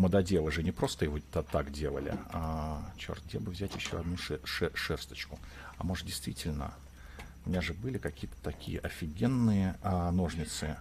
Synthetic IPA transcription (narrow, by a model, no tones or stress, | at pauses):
məd̪ɐdʲevəʐɨnʲɪpɾo̞st̪əjɪvot̪at̪akdʲe̞lˠə̰lʲɪ̰at͡ɕo̰rt̪̚dʲebɨvzʲætʲjɪɕːoɐd̪nuɛʂɛʂɛrst̪ə̥t͡ɕkʊ | amo̞ʐdʲɪjst̪vʲitʲɪlʲnə̰ | ʊmʲɪnʲaʐɨbɨlʲɪkɐkʲijət̪ə̥t̪ɐkʲḭjə̰ʔɐfʲɪɡʲe̞nːɨjəno̞ʐnʲɪt̪sɨ